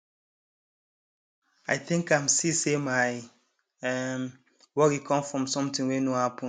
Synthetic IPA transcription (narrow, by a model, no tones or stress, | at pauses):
a̰ɪθĩŋkaɪmsisemaɪ | ɛm | wɔkikʰɔ̃mfɹɔ̃msɔ̃mtĩŋwenohapʰɔ̃